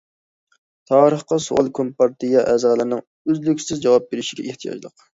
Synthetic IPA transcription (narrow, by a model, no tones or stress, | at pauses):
t̪ʰɑːɾəχqɑso̰ʔɑlˠkʰompɑɾt̪ɨjɑʔɛzʁlˠɨɾnɨŋ | øzlykʲsɪzd͡ʒɑwɑp̚beɾɪʃiɡʲɛ̰ʔeht̪ʰijɑ̰d͡ʒlˠəq